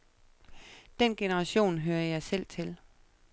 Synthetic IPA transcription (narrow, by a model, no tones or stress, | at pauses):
d̥enɡ̥e̝nəʁɑ̈ɕo̝̰ːnɦøːɐjɑ̈ɪsel̰t͡sʰe̝l